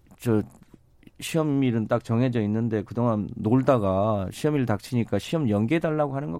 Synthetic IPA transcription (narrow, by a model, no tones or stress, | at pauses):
t͡ɕʌ | ɕʰiʌmiɾɯnt͈ak̚t͡ɕʌŋɦe̞d͡ʑʌinːɯnde̞kɯdoŋɦanːoɭdaɡaɕʰiʌmiɭtak̚t͡ɕʰiɲik͈aɕʰiʌmjʌŋɡedaɭːaɡoɦanɯnɡʌ